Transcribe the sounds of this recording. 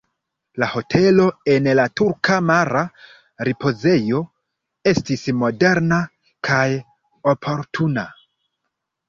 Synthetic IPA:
laho̞tʰe̞lo̞e̞nlatuɾkamaɾa | ɾipo̞ze̞jo̞ | e̞stismo̞de̞ɾna | kʰaj | o̞pʰo̞ɾtʰuna

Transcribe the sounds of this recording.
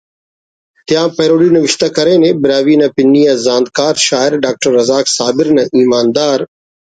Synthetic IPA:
t̪ɪjãːpeːɾoːɽiːnəʋɪʃt̪əkəɾẽːnẽːbɪɾaːʋiːnɐpɪnːiːãːzãːnd̪kaːɾʃaːɪɾɖaːk̚ʈəɾːɐzaːksaːbɪɾnɐʔiːmaːnd̪aːɾ

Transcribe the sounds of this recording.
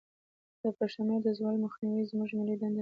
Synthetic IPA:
d̪̥əpaʂanad̪əzwɑlmaxniwizmuʒmilid̪and̪

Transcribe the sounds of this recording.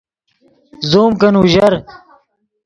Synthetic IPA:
zoːmkɐnuʑɐɾ

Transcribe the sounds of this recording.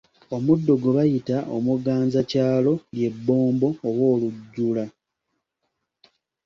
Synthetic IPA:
o̞mudːo̞ɡuβajitaʔo̰muɡaːnzacaːlo̞lje̞bːo̞ːmbo̞ːβwo̞ːluɟːula

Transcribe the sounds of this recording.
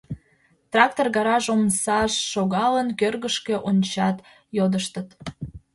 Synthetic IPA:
t̪rɑk̚t̪orɣɑɾɑʒomsɑʃːoɣɑlənkørɣəʃkeʔonʲt͡ɕɑt̪ | jod̪əʃt̪ət̪

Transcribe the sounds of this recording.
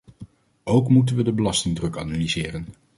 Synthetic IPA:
owkmut̬ənʋədəbəlɑstɪŋdrɵkanalizɪːrən

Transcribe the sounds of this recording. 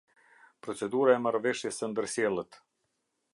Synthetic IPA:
pɾɔt͡sɛd̪uɾaɛmaɾvɛʃjɛsənd̪əɾsjɛlˠət̪

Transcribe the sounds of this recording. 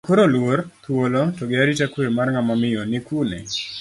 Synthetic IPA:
koɾolwort̪wolotɔɡɪaɾitakwemarŋamamɪjɔnɪkunḛ

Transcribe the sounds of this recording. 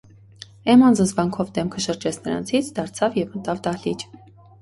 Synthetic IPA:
ɛmɑnd͡zənzvɑŋkʰɔvd̪ɛmkʰəʃəɾd͡ʒɛt͡sʰnəɾɑ̰nt͡sʰit͡sʰd̪ɑɾt͡sʰɑvjɛvmət̪ɑvd̪ɑlit͡ʃ

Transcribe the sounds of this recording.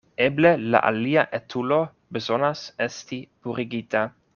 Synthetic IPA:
ɛblela̰ʔa̰liaʔɛt̪ʰulo | bezonasɛst̪ipuɾiɡit̪a

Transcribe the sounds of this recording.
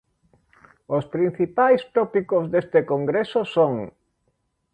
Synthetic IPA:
ospɾin̟θipajst̪ɔpikozðest̪ekoŋɡɾesosoŋ

